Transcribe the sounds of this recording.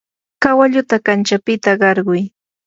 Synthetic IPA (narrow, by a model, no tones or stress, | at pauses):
kawaʎʊt̪akant͡ʃapɪt̪aɢɑɾɢʊj